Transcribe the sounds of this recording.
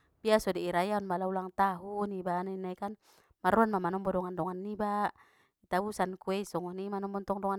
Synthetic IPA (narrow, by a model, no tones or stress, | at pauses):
b̥iasɔdiiɾajaɔnbalaulaŋt̪aɦunibaninaikan | maɾuanmamanɔmbɔdɔŋandɔŋanːiba | it̪abusankuɛisɔŋɔnimanɔmbɔnt̪ɔŋdɔŋa